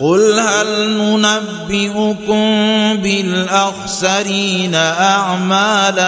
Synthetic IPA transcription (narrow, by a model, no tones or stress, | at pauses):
qʊlɦalnʊnabːɪʔʊkʊmbɪlʔaxsaɾiːnaʔaʕmaːla